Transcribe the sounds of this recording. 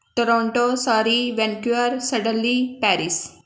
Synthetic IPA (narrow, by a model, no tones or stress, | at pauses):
ʈoɾɔ̃ːɳʈoːsaːɾiʋɛ̃nkuəɾsəɖə̃nliːpɛːɾɪs